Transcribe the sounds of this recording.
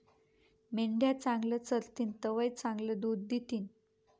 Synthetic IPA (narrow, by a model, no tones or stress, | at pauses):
meɳɖjat͡sãŋɡlət͡səlt̪iːnt̪əʋəjt͡sãŋɡləd̪ud̪̚d̪it̪iːn